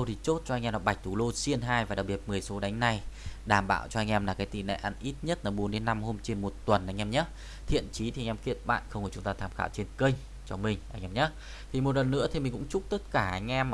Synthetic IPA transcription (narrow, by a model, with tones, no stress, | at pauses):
ə˧wt̪ʰi˨˩t͡ɕo˦˥t̚t͡ɕɔ˧ʔa˧ŋ̟ʔnɔ̰˧˨˩ɓa˨˩k̟̚t̪ʰu˧˩lo˧si˧ənɦaː˧jvaː˨˩ɗa˨˩k͡p̚ɓi˨˩ət̚mɨ˨˩əjso˨˦ɗa˨˦jŋ̟na˨˧jɗaː˨˩mɓa̰ː˧˨wt͡ɕɔ˧ʔa˧ŋʔɛ˧mlaː˨˩kaː˨˦jt̪i˧˨˩na̰˧˨ʔa˧˩nʔi˦˥t̚ɲə˦˥t̚ʔəː˧˩ɓo˨˦nɗe˨˦nːa˧mho˧mt͡ɕe˧nmo˨˩t̚t̪wə˨˩nʔa˧jŋ̟ʔɛ˧mɲə˦˥ | t̪ʰḭ˧˨ənt͡ɕi˨˦t̪ʰi˨˩˧ŋ̟ʔɛ˧mki˧˩ət̚ɓa̰ː˧˨nxə˧wŋ͡mkə˧˩ʊ˨˦ŋ͡mt̪aː˧t̪ʰaː˧˩mxa̰ː˧˩wt͡ɕe˧nkə˧ŋ̟ | t͡ɕɔ˧mï˨˩ŋ̟ʔa˧ŋ̟ʔɛ˧mɲə˦˥ | t̪ʰi˨˩mo˨˩t̬̚lə˨˩nːɨ̰˧˥t̪i˨˩mï˨˩ŋ̟kʊ̰˧˥ŋ͡mt͡ɕʊ˦˥k͡p̚t̪ə˦˥t̚kaː˧˩ʔa˨˧˩jŋ̟ʔɛ˧m